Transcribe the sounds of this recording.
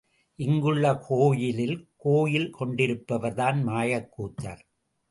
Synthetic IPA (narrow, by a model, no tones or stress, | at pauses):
ʔɪŋɡɯɭːɐkʰoːjɪlɪlkoːjɪlkʰɔɳɖɪɾɯpːɐʋɐɾðaːnmaːjɐkːuːt̪ːa̰ːɾ